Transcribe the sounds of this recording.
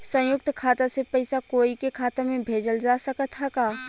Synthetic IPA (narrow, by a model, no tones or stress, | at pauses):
sə̃jʊk̚t̪kʰaːt̪asepɐɪsakoːikekʰaːt̪amẽbʱeːd͡ʒəld͡ʒaːsəkət̪ʰakaː